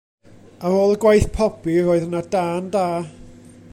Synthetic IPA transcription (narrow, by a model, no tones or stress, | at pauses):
aɾoːlˠəɡwajθpʰɔb̥iɾoːɨðənadaːndaː